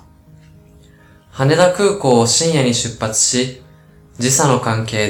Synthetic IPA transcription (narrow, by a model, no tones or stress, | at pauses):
hane̞d̪akɯ̟ːko̞ːoɕĩɰ̃jaɲ̟iɕɨpːat͡sɨ̥ɕi | d͡ʑisano̞kãŋke̞ː